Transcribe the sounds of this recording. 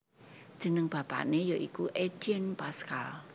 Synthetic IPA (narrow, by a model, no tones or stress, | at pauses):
d̥ʒ̥ə̤nəŋb̥a̤pa̰ʔnejɔʔikuʔed̪̥iənpaskal